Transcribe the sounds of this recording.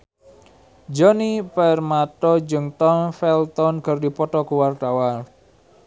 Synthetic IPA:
d͡ʒɔnipɛrmat̪ɔd͡ʒɨŋt̪ɔnfɛlt̪ɔnkərdipɔt̪ɔkuwart̪awa

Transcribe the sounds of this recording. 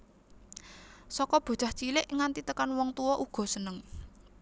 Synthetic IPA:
sɔkɔb̥o̤̥t͡ʃa̤ht͡ʃilɪʔŋant̪it̪əkanwɔŋt̪uwɔʔuɡ̥ɔ̤sənəŋ

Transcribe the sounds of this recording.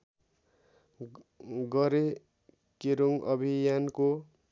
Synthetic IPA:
ɡʌɾe | keɾoŋʌbʱijanko

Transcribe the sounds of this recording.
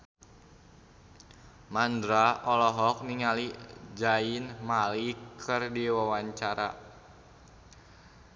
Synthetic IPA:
mandɾaɔlɔɦɔk̚niŋalid͡ʒainmalikʰɨrdiwawaɲt͡ʃaɾa̰

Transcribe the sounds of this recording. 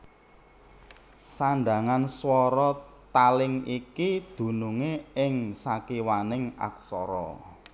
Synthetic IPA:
saɳɖa̤ŋanswɔɾɔt̪alɪŋikid̪̥ṳnuŋeɪŋsakiwanɪŋa̰ksɔɾɔ̰

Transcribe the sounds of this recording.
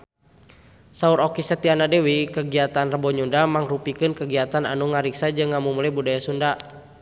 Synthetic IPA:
sauɾɔkisət̪ianadɛwikəɡiat̪anrəbɔɲundamaŋrupikɨnkəɡiat̪ana̰nuŋaɾiksad͡ʒɨŋːamumulɛbudajasunda

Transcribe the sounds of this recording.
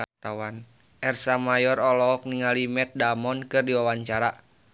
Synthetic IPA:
t̪awan | ʔɛrsamajɔɾɔlɔk̚niŋalimɛt̪̚damɔnkɨrdiwawaɲt͡ʃaɾa

